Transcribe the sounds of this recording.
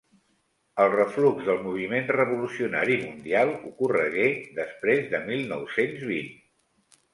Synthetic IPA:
əlˠrəfluɡzðəlˠmuβ̞imenrəβulusiuna̰ɾimund̪ialˠukurəɣeðəspɾezðəmilˠnɔwsenzβin

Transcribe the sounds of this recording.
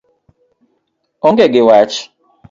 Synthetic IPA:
ɔŋɡɛɡɪwat͡ʃ

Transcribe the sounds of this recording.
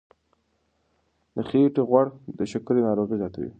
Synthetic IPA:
d̪əχeʈeɣwaɽd̪əʃakɾenɑɾoɣizjɑt̪awḭ

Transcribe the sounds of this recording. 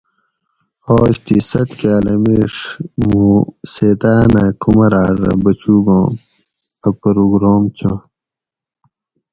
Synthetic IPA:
oːɕt̪isɐt̪kaːlɐmiʂmuset̪aːnakumɐɾaːɾɐ̰bɐt͡ɕuːɡõː | ɐpɐɾuɡɾoːmt͡ɕʰõ

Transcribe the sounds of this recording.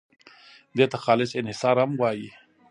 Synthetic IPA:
d̪et̪axɑlɪsɪnhɪsɑɾhamwɑji

